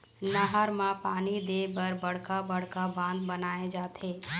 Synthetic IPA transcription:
nəɦəɾmãpaːnid̪eːbəɾbɐɽkabɐɽ̤kabãːnd̪bɐnaːed͡ʒaːt̪ʰeː

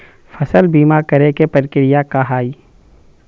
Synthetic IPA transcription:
fɐsəlbiːmakɐɾekepəɾkɪɾɪjakaɦaːi

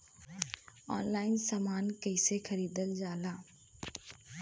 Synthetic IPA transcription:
ɔ̰ːnlaːɪnsaːmaːnkəɪsexəɾiːd̪əld͡ʒaːlaː

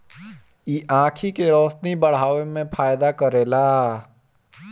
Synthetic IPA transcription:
iːʔãːkʰikeɾɔːsnibəɽ̤aːʋemẽpʰaːjd̪akəɾeːlaː

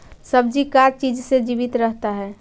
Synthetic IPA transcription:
səb̚d͡ʒikaɾt͡ʃid͡ʒsed͡ʒiːbit̪ɾəɦt̪aɦɛː

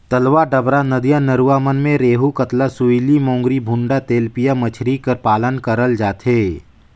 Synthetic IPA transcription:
t̪ɐlʋaɖɐbɾanɐd̪ijãnɐɾuaːmənmẽɾeːɦukət̪lasuilimõːŋɡɾibʱʊ̃ɳɖat̪eːlpijamɐt͡ʃʰɾikəɾpaːlənkɐɾəld͡ʒaːt̪ɦeː

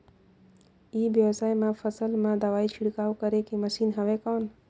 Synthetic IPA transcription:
ibjəwsajmepʰəsəlmad̪əʋait͡ʃʰiɽkaukəɾekeməsinɦəbekɔn

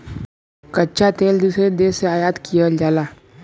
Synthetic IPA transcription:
kɐtːʃʰat̪eːld̪usɾed̪eːseaːjaːd̪kʰijad͡ʒaːlaː

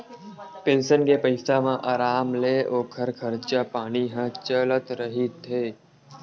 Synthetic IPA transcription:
pẽnsənkepəɪsamãʔaːɾaːmleːoːkʰəɾkʰəɾt͡ʃapaːñiɦãt͡ʃələt̪ɾəɦit̪ʰːeː

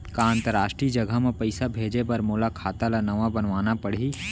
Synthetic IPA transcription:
kaãnt̪əɾaːʃʈɾid͡ʒɐɡʱəmẽpəɪsabʱeːd͡ʒepɐɾmoːlakʰaːt̪alanɐʋabənʋaːnapəɽ̤i

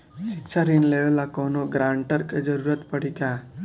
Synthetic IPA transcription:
ʃiksaɾinleʋlakonoɡɾaɳʈəɾked͡ʒəɾuɾət̪pəɽika

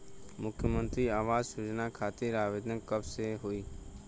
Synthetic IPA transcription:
mʊkʰjəmə̃nt̪ɾiːaːʋaːzsʊd͡ʒnakʰaːt̪iɾaːʋeːd̪ə̃kəbseɦʊiː

